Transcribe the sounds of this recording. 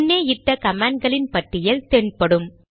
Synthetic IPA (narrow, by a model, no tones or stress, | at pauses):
nːeːɪʈːɐkɐmaːɳɖ̚ɡɐɭɪnpɐʈːɪjɐlt̪eːnpɐɽɯm